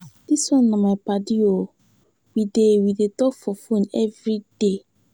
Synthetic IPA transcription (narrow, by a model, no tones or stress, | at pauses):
d̥iswɔ̃nːãmãpadio | widewidetɔkfɔfũnɛvɾid̥e